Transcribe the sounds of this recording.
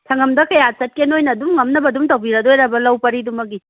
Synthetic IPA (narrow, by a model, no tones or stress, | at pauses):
tʰɐŋɐmdɐkɐjasɐt̚kenojnɐːdumŋɐmnɐbɐdumtɐwbiɾɐdojɾɐbɐlɐwpɐɾidumɐɡi